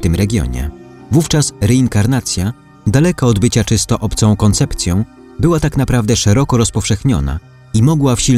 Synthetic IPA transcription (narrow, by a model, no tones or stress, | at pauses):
t̪ɘmɾɛɡʲjɔ̰ɲɛ̰vuft͡ʂasɾɛiŋkaɾnat̪sʲja | d̪alɛkaɔd̪bɘt͡ɕat͡ʂɘst̪ɔʔɔpt̪sɔ̃w̃kɔnt̪sɛpt̪sʲjɔ̃w̃ | bɘwat̪akn̪apɾavd̪ɛʂɛɾɔkɔɾɔspɔfʂɛxɲɔ̰na̰ | imɔɡwafɕi